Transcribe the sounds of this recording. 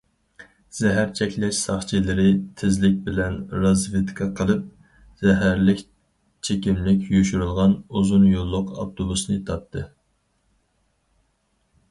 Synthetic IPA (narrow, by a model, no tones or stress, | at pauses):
z̥ɛɦæɾt͡ʃʰɛkʲlɛʃsɑχt͡ʃʰilɪɾɪt̪ʰɪzlɪk̚ʲbɪlɛnɾɑzvet̪kʰɑqʰəlˠɨp̚ | z̥ɛɦæɾlɪkʲ | t͡ʃʰekʲimlɪkʲjyʃyɾylˠʁɑnuzunjolˠːʊqɑ̰pt̪ʰobusnɨt̪ʰɑt̪ʰːɨ